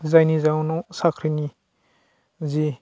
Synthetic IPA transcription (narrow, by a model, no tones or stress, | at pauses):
zajnizawnɔsakʰɾini | zi